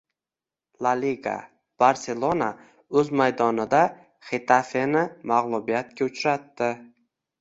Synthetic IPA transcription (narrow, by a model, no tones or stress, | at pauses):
lˠaliɡa̰ | b̥aɾse̞lˠona | ɵzmajd̪ɒnɪd̪a | χet̪ʰafenɪmaʁlˠʊbijat̪kʲaʊt͡ʃɾat̪ːɪ